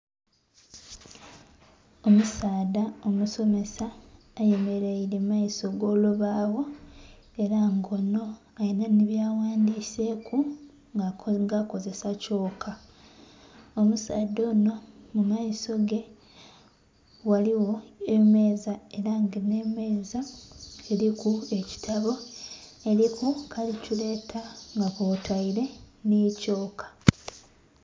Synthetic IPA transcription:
o̞musaːdao̞muso̞me̞saː | je̞me̞ɾeiɾe̞majiso̞ɡo̞ːluβaːwo̞ | e̞ɾaŋɡo̞no̞ | ajinaniβjaːwaːndiːse̞kʰu | ŋɡaŋɡako̞ze̞saco̞ːkʰa | o̞musaːdːo̞ːno̞mumaiso̞ɡe̞ | waliwo̞eme̞ːzae̞ɾaŋɡene̞me̞ːzaelikue̞ci̥tʰaβo̞e̞ɾikukʰalicule̞ːtʰaŋɡakotaiɾe̞nico̞ːkʰḁ

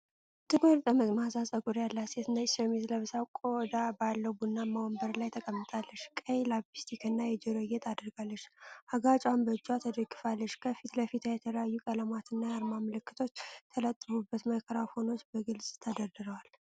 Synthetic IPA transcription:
t̪ʰɨɡoɾt̪ʼəməɡmasasʼəkʼuɾjalːaset̪nəsəmizləβsakʼod̪abalːəwbunːamawɔmbəɾlajt̪ʰəkʼəmːɨt̪ʼalːəʃkʼəjlabist̪ʰikɨnːajɛd͡ʒɛɾojːɛt̪ʰad̪ɨɾɡalːəʃːʔaɡat͡ʃʼwanbəd͡ʒat̪ʰəd̪əɡɨfalːəʃkʰəfit̪ləfit̪ʰajɛt̪ʰələjajːukʼələmat̪ɨnːajaɾmamələkːɨ̥t̪ʰo̞t͡ʃːt̪ʰələt̪ʼːɨfubːət̪məkʰəɾaho̞no̞t͡ʃːbəɡɨlsʼt̪ʰəd̪əɾd̪ɨɾəwal

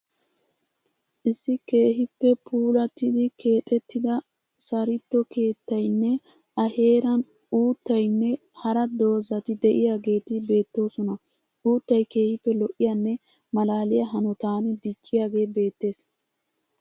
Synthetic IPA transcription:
ʔɪsːɪke̞ːɦɪpːɛpʰuːlɐt̪ɪd̪ɪkʰe̞ːt̪ʼɛt̪ːɪd̪ɐ | sɐɾɪt̪ːɔke̞ːt̪ːɐjnːɛ | ʔɐhe̞ːɾɐn | uːt̪ːɐjnːɛ | hɐɾɐd̪o̞ːzɐt̪ɪd̪ɛʔɪjaːɡe̞ːt̪ɪbe̞ːt̪ːo̞ːsɔnɐ | ʔuːt̪ːɐjke̞ːhɪpːɛlɔʔɪjɐnːɛ | mɐlaːlɪjɐɦɐnɔt̪aːnɪd̪ɪt͡ʃʼːɪjaːɡe̞ːbe̞ːt̪ːe̞ːs

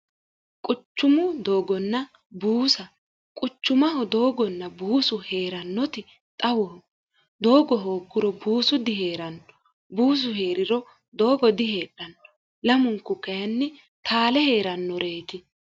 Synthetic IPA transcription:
kʼʊt͡ʃːʊmʊd̪o̞ːɡɔnːɐ | buːsɐ | kʼʊt͡ʃːʊmɐɦɔd̪o̞ːɡɔnːɐbuːsʊheːɾɐnːɔt̪ɪ | t̪ʼɐwɔ | d̪oːɡɔɦo̞ːɡːʊɾɔbuːsʊd̪ɪɦe̞ːɾɐnːɔ̥ | buːs̬ʊhe̞ːɾɪɾɔ | d̪o̞ːɡɔd̪ɪheːᶑɐnːɔ̥ | lɐmʊŋkːʊkɐjɐnːɪ | t̪aːlɛhe̞ːɾɐnːɔɾeːt̪ɪ

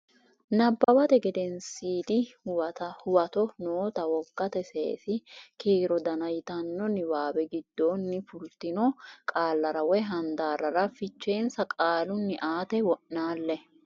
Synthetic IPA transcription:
nɐbːɐwɐt̪ɛɡɛd̪ɛnsiːd̪ɪ | hʊwɐt̪ɔnoːt̪ɐwɔɡːɐt̪ɛsḛːsɪkiːɾɔd̪ɐnɐjt̪ɐnːɔnɪwaːwɛɡɪd̪̥ːoːnːɪfʊlt̪ɪnɔkʼaːlːɐɾɐwɛɦɐnd̪aːɾɐɾɐfɪt͡ʃːe̞ːnsɐkʼaːlʊnːɪʔaːt̪ɛwɔʔnaːlːɛ

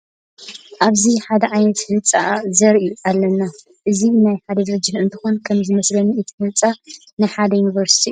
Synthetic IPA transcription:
ʔaβziħad̪ɐʕajnɐt̪hɨnt͡sʼazɐɾʔiʔalːɐnːa | ʔɨzinajħad̪ɐd̪ɨɾɨd͡ʒɐʔɨnt̪ʰɨxonkʰɐmzɨmɐslɐnɨt̪ʰihɨnt͡sʼa | nɨħad̪ɐjunivɐɾsi̥t̪ʰiu

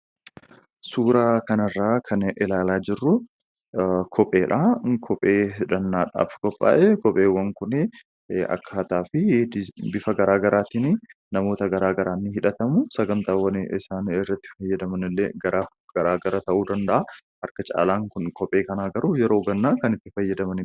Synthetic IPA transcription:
suːɾaːkɐnɐrːaːkʰɐnɪlaːlaːd͡ʒɪrːʊ | kʰɔpʼe̞ːᶑaːkʰɔpʼeːɪᶑɐnːaːᶑa̰ːfkɔpʼːa̰ːʔɛkɔpʼeːwːɐŋkʊnɛ | ɐ̰kːaːt̪aːfɪbɪfɐɡɐɾaːɡɐɾʔaːt̪ɪnɪ | nɐmo̞ːt̪ɐɡɐɾaːɡɐɾaːnːɪhɪᶑɐt̪ɐmʊsɐɡɐnt̪aːwːɐnɪsaːnɪrːɐt̪ːɪ̥fɐjːɐd̪ɐmɐnɪlːḛːɡɐɾaː | ɡ̥ɐɾaːɡɐɾat̪ɐʔuːd̪ɐnd̪ɐʔahɐɾkɐt͡ʃʼa̰ːlaːŋkʊnkɔpʼe̞ːkɐnaːɡɐɾʊjɛɾo̞ːɡɐnːaːkɐnɪt̪ːɪfɐjːɐd̪ɐmɐnɪ

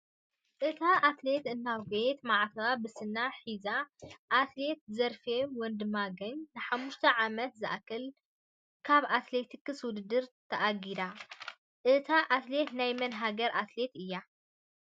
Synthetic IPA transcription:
ʔɨt̪ʰaʔat̪le̞t̪ɨnːawɡet̪maʕt̪ʰɐabɨsɨnːaħizaʔːt̪le̞t̪̚zɐɾfemwɔnd̪ɨmaɡɐɲnɨħamːuʃt̪ʰɐʕamɐt̪zɨʔakːɨl | kʰaβʔat̪le̞t̪ʰikːɨswʊd̪ɨd̪ɨɾt̪ʰɐʔaɡid̪a | ʔɨt̪ʰaʔat̪le̞t̪najmɐnɦaɡɐɾʔat̪le̞t̪ɨjːa

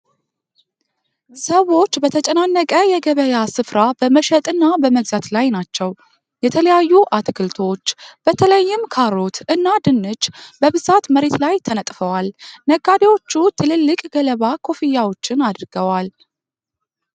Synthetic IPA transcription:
səwo̞t͡ʃːbət̪ʰət͡ʃʼənanːəkʼəjɛɡəβəjasɨfɾabəməʃɛt̪ʼɨnːabəməɡzat̪lajnat͡ʃːɛw | jɛt̪ʰələjajːuʔat̪kʰɨlt̪ʰo̞t͡ʃːb̥ət̪ʰələjːɪmkʰaɾo̞t̪ʔɨnːad̪ɨnːɨd͡ʒbəβɨzat̪məɾe̞t̪lajt̪ʰənət̪ʼfəwalnəɡad̪ewo̞t͡ʃːut̪ʰɨlɨlːɨkʼɡələβakʰo̞fijːawo̞t͡ʃːɪnad̪ɨɾɡəwal

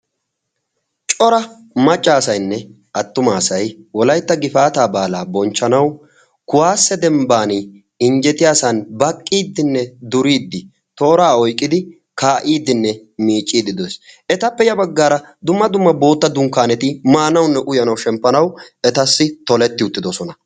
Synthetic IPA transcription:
t͡ʃʼɔɾɐ | mɐt͡ʃʼːaːsɐjnːɛ | ʔɐt̪ːʊmaːsɐjwɔlɐjt̪ːɐɡɪfaːt̪aːbaːlaːbɔnt͡ʃːɐnɐw | kʊwaːsːɛd̪ɛmbaːni | ɪnd͡ʒɛt̪ɪjaːsɐnbɐkʼːiːd̪ːɪnːɛd̪ʊɾiːd̪ːɪ | t̪o̞ːɾaːɔjkʼːɪd̪ɪ | kaːʔiːd̪ːɪnːɛmiːt͡ʃʼːiːd̪ɪd̪ɔjsɛt̪ɐpːɛjɐbɐɡːaːɾɐd̪ʊmːɐd̪ʊmːɐbo̞ːt̪ːɐd̪ʊŋkːaːnɛt̪ɪmaːnɐwnːɛʔʊjɐnɐwʃɛmpːɐnɐwɛt̪ɐsːɪt̪ɔlɛt̪ːɪʊt̪ːɪd̪ɔsɔnɐ

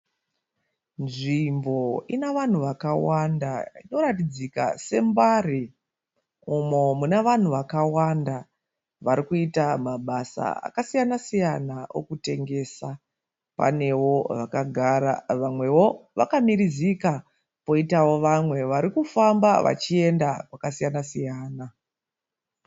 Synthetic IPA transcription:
nʐimbo̞inaʋan̤uʋakawandaino̞ɾatid͡zika̰se̞mbari | umomunaʋan̤uʋakawanda | ʋaɾikuitamaɓasa̰a̰kasijanasijanao̞̰kute̞ŋɡe̞sa | pa̰ne̞wo̞ʋakaɡʱaɾa̰ʋamwe̞wo̞ʋakamiɾizika | po̞itawo̞ʋamwe̞ʋaɾikufamba̰ʋa̰t͡ʃie̞ndakwakasijanasijaːna

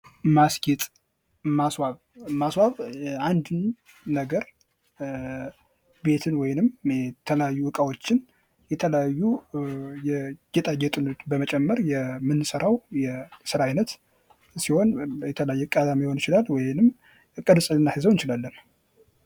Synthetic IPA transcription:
maskit̪ʼ | maswaβ | maswaβand̪ɨnː | əɡəɾ | be̞t̪ʰɨnwɔjɪnɨmt̪ʰələjajːuʔɨkʼawot͡ʃːɪn | jɛt̪ʰələjajːu | jɛɡ̥ɛt̪ʼaɡɛt̪ʼɨnot̪bəmət͡ʃʼɛmːəɾjɛmɨnːɨsəɾawjɛsɨɾaajnət̪ | siho̞njɛt̪ʰələjajːɛkʼad̪amiho̞nɪt͡ʃɪlalwɔjɪnɨm | kʼɨd̪sʼɨlɨnːahɨzəwɨnt͡ʃɪlalːən

